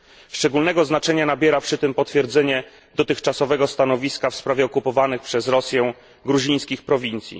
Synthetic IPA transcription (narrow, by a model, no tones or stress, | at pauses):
ʂt͡ʂɛɡulnɛɡɔznat͡ʂɛɲanabʲjɛɾapʂɘt̪ɘmpɔt̪fʲjɛɾd̪zɛɲɛ | d̪ɔt̪ɘxt͡ʂasɔvɛɡɔst̪anɔvʲiskafspɾavʲjɛɔkupɔvanɘxpʂɛzɾɔsʲjɛw̃ | ɡɾuʑĩj̃skʲixpɾɔvʲint̪sʲjḭ